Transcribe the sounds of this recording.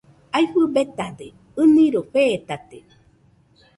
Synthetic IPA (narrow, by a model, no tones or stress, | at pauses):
ajɸɨbet̪ad̪e | ɨnĩɾoɸet̪at̪e